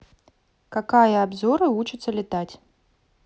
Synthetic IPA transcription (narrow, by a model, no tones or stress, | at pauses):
kakajɐabzɔɾɨvut͡ʃɨt̪sːɐlʲɪt̪at͡sʲ